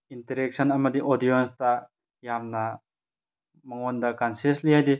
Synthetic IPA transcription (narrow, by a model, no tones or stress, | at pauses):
inteɾɛk̚sʰɐnɐmɐd̪iʔɔdijɔnsta | jamna | mɐŋond̪ɐkanseslijajd̪i